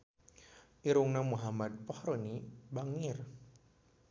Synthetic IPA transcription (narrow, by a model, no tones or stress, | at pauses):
ʔiɾuŋnamuɦamad̪̚pɔhɾonibaŋir